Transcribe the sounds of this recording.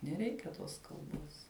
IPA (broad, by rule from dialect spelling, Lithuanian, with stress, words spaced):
nʲɛˈrʲɛɪkʲɛ ˈtoːs kɐlˠˈboːs